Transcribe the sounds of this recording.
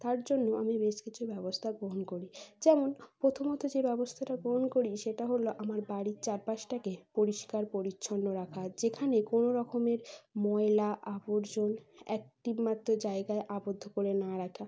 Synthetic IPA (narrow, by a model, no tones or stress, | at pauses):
t̪aɾd͡ʑonːoʔamibeʃkit͡ɕʰubɛbost̪ʰaɡɾoɦonkoɾid͡ʑɛmonpɾot̪ʰomot̪od͡ʑebɛbost̪ʰaʈaɡɾoɦonkoɾiʃeʈaɦoloʔamaɾbaɽit͡ɕaɾpaʃʈakepoɾiʃkaɾpoɾitːɕʰonɖoɾakʰad͡ʑekʰanekonoɾɔkomeɾmɔelaʔaboɾd͡ʑonɛ̰k̚ʈimat̪ːod͡ʑaeɡaeʔabod̪ʱːokoɾenaɾakʰa